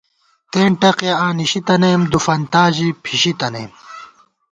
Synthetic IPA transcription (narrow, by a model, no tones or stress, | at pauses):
t̪eːɳʈɐqjɐaːniɕit̪ɐneːmd̪ufɐnt̪aːʑipʰiɕit̪ɐnḛːm